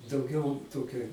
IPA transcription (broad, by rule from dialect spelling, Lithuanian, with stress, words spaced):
dɐʊˈɡʲɛʊ ˈtoːkʲɛ